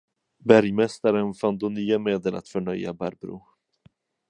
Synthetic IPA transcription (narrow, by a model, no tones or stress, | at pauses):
bæɾjmɛst̪aɾənfand̪onyːameːd̪əlʔa̰t̪fœɳœja̰bæɾbɾṵ